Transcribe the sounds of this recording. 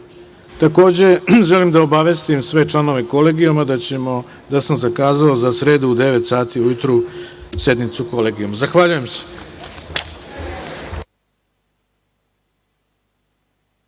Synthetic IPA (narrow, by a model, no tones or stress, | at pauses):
t̪ako̞ːd͡ʑe̞ʒelimd̪aobaʋest̪imsʋe̞t͡ʂlˠano̞ʋe̞ko̞le̞ːɡijomad̪am | d̪asamzakaːzaozasɾe̞ːd̪uːd̪e̞ʋe̞t̪saːt̪iujut̪ɾuse̞d̪nit̪suko̞le̞ːɡijomazaxʋaʎuje̞mse̥